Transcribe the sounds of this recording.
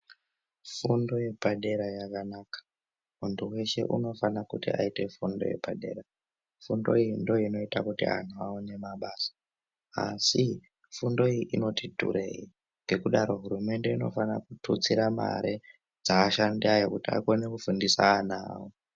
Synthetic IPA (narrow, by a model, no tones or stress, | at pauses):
fundo̞je̞paɗe̞ɾajakanaːkḁ | munduwe̞ʃe̞̰ʔṵno̞fanakutḭa̰ite̞fundo̞̰je̞̰paɗe̞̰ːɾa | fundo̞̰iindo̞ino̞itakutia̰n̤uaune̞maɓaːsḁ | a̰si | fundo̞iʔino̞tidʱṵreji | ŋɡekuɗaɾo̞ɦurume̞nde̞ino̞̰fanakutʰut͡siɾama̰ɾʔe | d͡zaːʃandiajokutia̰konekufundisaːnaːwo